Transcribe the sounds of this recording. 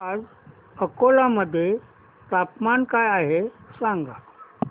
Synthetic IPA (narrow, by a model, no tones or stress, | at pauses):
ad͡z | əkolaməd̪ʱːje | t̪apmankajaɦesãŋɡa